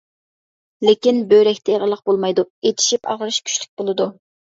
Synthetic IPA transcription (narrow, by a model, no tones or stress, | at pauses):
lɪkʲinbøɾɛkʲt̪ʰɛʁəlˠəq̚bolˠmɑjd̪uet̪ʰi̥ʃipɑ̰ʁəɾɨʃkʲʰy̥ʃlɪ̥k̚ʲbolˠɨd̪u